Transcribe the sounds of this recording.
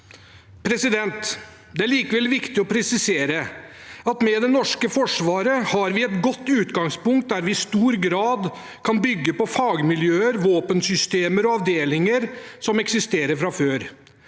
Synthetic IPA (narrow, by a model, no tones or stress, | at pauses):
pʰɾɛsɪd̪ɛnt̪ | d̪ɛæɭiːkəʋɛlʋɪkt̪ɪɔpʰɾɛsɪseːɾəɑt̪mɛd̪ɛnɔʂkəfɔʂʋɑːɾəhɑɾʋɪɛt̪ɡɔt̪ːʉːt̪ɡɑŋspʊŋkt̪̚d̪æɾʋɪɪst̪uːɾɡɾɑːd̪ | kʰɑnbʏɡːəpɔfɑːɡmɪljøːəɾʋoːpənsʏst̪eːməɾɔɑʋd̪eːlɪŋəɾsɔmɛksɪst̪eːɾəɾfɾɑføːɾ